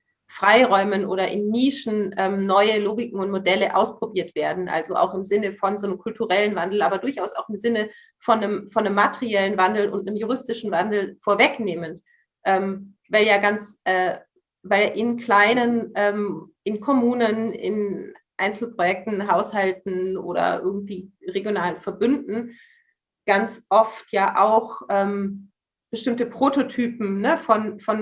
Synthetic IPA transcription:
fʁ̥aɪʁɔʏmənʔoːɾɐʔɪnːiːʃn̩ʔɛːmnɔʏəloːɡɪkŋ̩ʊntmodɛləʔa̰ʊspʁ̥obiːɐtv̥eːɐdn̩ʔa̰lzoʔa̰ʊxɪmzɪnəfɔnzoːnəmkʰʊltʰuʁɛlənvandl̩ʔaːbɐdʊɐçʔaʊsaʊxɪmzɪnə | fɔnːəmfɔnːəmːatəʁiɛlənvandl̩ʊ̰ntnəmjuʁɪstɪʃn̩vandl̩foːɐvɛkneːmənt | ʔɛːm | vaɪljaːɡant͡sʔɛː | vaɪlɛːʔɪnkl̥aɪnənʔɛːmʔɪnkʰɔmuːnənɪ̰nʔaɪnt͡sl̩pʁ̥ojɛk̚tn̩ɦaʊshaltn̩ʔo̰ːɾɐ̰ʔɪ̰ɐɡŋ̩tv̥iːʁeɡjonaːlənfɛɐbʏndn̩ | ɡ̥ant͡sʔɔftʰjaːʔaʊxʔɛːm | b̥əʃtɪmtəpʁ̥ototʰyːpm̩nəfɔnfɔn

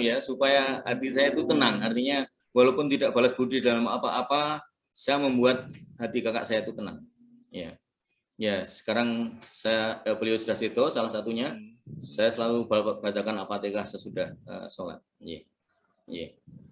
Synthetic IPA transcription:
jasupajaɦa̰t̪is̬ajait̪uk̪ənaŋart̪iɲa | walawpʊnt̪idaʔb̥alasb̥udidalama̰paʔːpa | sajaməmbuat̪̚ɦat̪ikaka̰ʔsajait̪uk̪əna̰ŋ | ja̰ | jasə̥kaɾaŋsajabəliaosudahset̪osalahsat̪uɲasajasəlalubb̥at͡ʃakanapat̪ekasajasudahə̰sola̰t̪̚jɛ̰ | jɛ̰

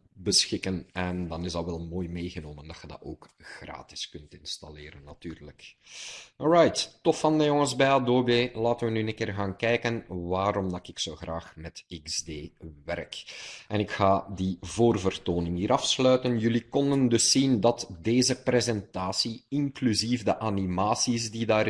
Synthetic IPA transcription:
bəsxɪkənɛndɑnɪzdɑʋɛlˠmoːjmeːɣənoːməndɑtxədɑ̰to̰ːk | ɣra̰ːtɪ̥skɵntɪnsta̰lɪːɾənːɑtyːrlək | ɔɹajtːɔfɑndəjɔŋəzbɛjadoːbeːlaːtənʋənyənəkɪːrɣaːnkɛjkənʋaːɾɔmdɑkɪksoːɣra̰ːxmɛtikzdeːʋɛ̰rkɛnɪkxaːdivoːrvərtoːnɪŋiːɾɑfslœɥtənjɵlikɔndəndɵsːindɑtdeːzəprezɛntaːsiɪŋklyzifdəʔanimaːsisdidaː

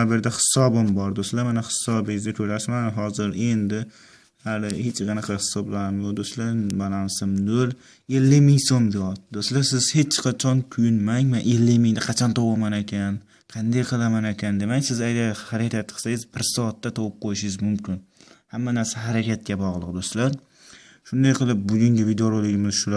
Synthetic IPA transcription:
bɪɾd̪ahɪ̥sɒbɪmbɒɾd̪ost̪lamanahɪ̥sɒbɪɪzd̪akʲʰɵɾaʃmanɦɒzɪɾe̞nd̪ɪ | halɪhet͡ʃqɑnaqʰɑhɪ̥sɒblaɾɪmjod̪ost̪labalansɪmnol | elːɪmɪŋsomd̪ɪɒt̪̚d̪ost̪lasɪz̥he̞t͡ʃqʰɑt͡ʃʰɒnkʲʰʊjʊnmaŋmanʔelːɪmɪŋd̪ɪqʰɑt͡ʃʰɒnt̪ʰɒwamanekʲʰan | qʰɑnd̪ajqʰɨlˠamanekʲʰand̪emaŋsɪzajd̪ahaɾakʰʲat̪ːɪ̥qʰsajɪzbɪɾsɒːt̪ːat̪ʰɒwʊp̚qʰojɪʃɪɪzmʊmkʲʰɪnhamːanaɾsaɦaɾakʲʰat̪̚kʲabɒʁlˠɨq̚d̪ost̪laɾ | ʃʊnd̪ajqʰɨlˠɪp̚bʊɡʲʊŋɡʲabɪd̪ɒɾalɪɡʲɪmɪz̥ʃʊla

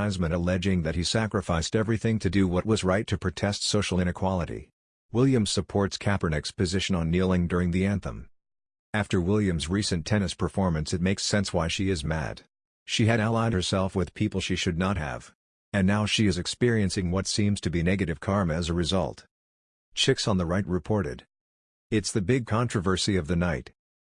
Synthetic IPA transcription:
ɪzmɨ̃ñəlɛd͡ʒɪ̃ŋðɨt̚hisækɹɨfaɪstɛvɹiθɪ̃ŋtʰɨdɨwʌt̚wʌzɹaɪtʰɨpʰɹ̥ɨtʰɛstsoʊʃl̩ˠɪ̃ñɨkʰw̥ɑlˠəɾḭ | wɪlˠjɨ̃msəpʰɔɹtskʰæpə˞nɛkspʰɨzɪʃɨ̃nə̃nːilˠɪ̃ŋdʊɹɪ̃ŋðiæ̃nθə̰̃m | æftə˞wɪlˠjɨ̃mzɹisɨ̃ntʰɛnɨspʰə˞fɔɹmɨ̃nsɨt̚meɪksɛ̃nswaɪʃiɪzmæ̰d | ʃiɨɾəlˠaɪɾə˞sɛlˠfwɨð̥pʰipl̩ˠʃiʃɨdⁿnət̚hɨ̰v̥ | ɨ̃nːaʊʃiɨzɨkspɪɹiɨ̃nsɪ̃ŋwʌtsĩmz̥tʰɨbinɛɡɨɾɨv̥kʰɑɹmɨzɨɹɨzʌ̰lˠt | t͡ʃʰɪksn̩ðəɹaɪt̚ɹɨpʰɔɹɾɨ̰ɾ | ɪtsðɨbɪɡ̚kʰɑ̃nt͡ʃɹ̥ɨvə˞siʌvðɨnaɪt

